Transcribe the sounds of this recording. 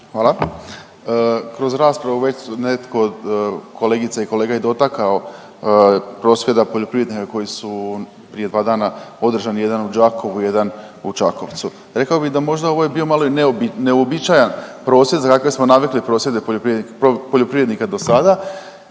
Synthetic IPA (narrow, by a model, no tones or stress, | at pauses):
xʋaːlˠa | əkɾo̞zɾaːspɾaʋuʋe̞t͡ɕnet̪kʰod̪kʰo̞le̞ːɡit̪saiko̞leːɡaje̞d̪o̞t̪akao̞ | pɾo̞ːsʋje̞d̪apo̞ʎo̞pɾiʋɾed̪nikako̞jisu | pɾije̞d̪ʋaːd̪aːnao̞d̪ɾ̩ʒanije̞d̪anud͡ʒaːkʰo̞ʋuje̞d̪an | ut͡ʃako̞̰ʋt̪su | ɾe̞kaobiɣd̪amo̞ʒd̪ao̞ʋo̞je̞bio̞malo̞ineobineobit͡ʃajanpɾo̞ːsje̞d̪zakakʋosmo̞naʋiklipɾo̞ːsjed̪epoopɾiopoʎo̞pɾiʋɾed̪nikad̪o̞sad̪a